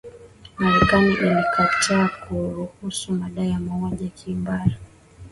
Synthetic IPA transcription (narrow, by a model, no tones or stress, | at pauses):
maɾɛkaniʔilikʰatʰaːkuɾuhusumaɗaijamaɔʄakʰimbaɾa